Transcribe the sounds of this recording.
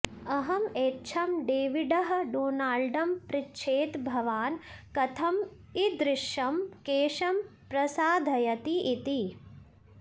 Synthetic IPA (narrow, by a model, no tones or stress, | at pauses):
ɐɦɐmeːtːt͡ʃʰɐmɖeːʋiɖɐɦɐ̆ɖoːnaːlɖɐmpɾitːʃʰeːt̪bʱɐʋaːnkɐt̪ʰɐm | id̪ɾɪʂjɐmkeːʃɐm | pɾɐsaːd̪ʱɐjɐt̪iʔːt̪i